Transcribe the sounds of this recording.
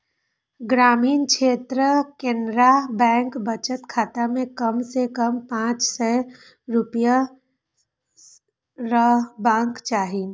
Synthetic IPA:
ɡɾaːmiːnkʃʰeːt̪ɾəkẽːnɾabɛ̃ːŋkbət͡ʃət̪kʰaːt̪amẽkəmsekəmpãːt͡ʃsɛ | ɾʊpja | ɾəbãːŋkt͡ʃaːɦin

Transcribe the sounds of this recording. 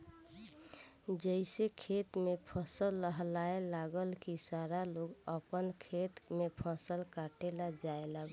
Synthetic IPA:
d͡ʒəɪsekʰet̪mepʰəsəlːəɦlaelaɡəlkisaɾaloɡəpənkʰet̪mepʰəsəlkaʈelad͡ʒaelaɡ

